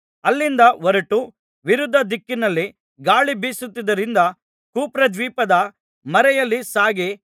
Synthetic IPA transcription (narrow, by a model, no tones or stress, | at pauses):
ɐlːind̪ɐʋɔɾɐʈu | ʋiɾud̪ʱːɐd̪ikːinɐlːi | ɡaːɭibiːsut̪ːid̪ɐɾind̪ɐ | kuːpɾɐd̪ʋiːpɐd̪ɐ | mɐɾɛjɐlːisaːɡe